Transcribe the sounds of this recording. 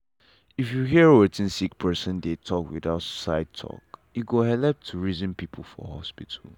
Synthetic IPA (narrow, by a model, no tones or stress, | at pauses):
ifjuɦiəɹwɛtĩnsik̚pʰɜsə̃ndetʰɔkwḭðaʊtsa̰ɪd̚tʰɔ̰kiɡohɛlɛf̚tʰuɹizə̃npipʰl̩ˠfɔ̰hɔ̰spitʰəl